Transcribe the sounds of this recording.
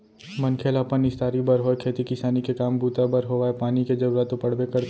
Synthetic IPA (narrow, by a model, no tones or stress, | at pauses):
mɐnkʰeːlapənɪst̪aːɾibɐɾɦoekʰeːt̪ikɪsaːnikekaːmbuːt̪abɐɾɦoʋaːepaːniked͡ʒɐɡɾat̪opɐɽ̤bekɐɾt̪